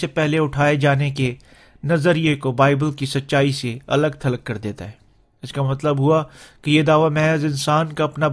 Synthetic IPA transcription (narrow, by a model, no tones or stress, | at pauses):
epɛɦleʊʈʰaːed͡ʒaːneke | nɐzəɾiekobaːɪbəlkisɐtːʃaːiseɐ̰ləɡ̚t̪ʰɐləkːɐɾd̪eːt̪aɦɛː | ɪskamɐt̪ləbɦʊakejed̪aːʋamɛ̃ːzɪnsaːnkaɐpna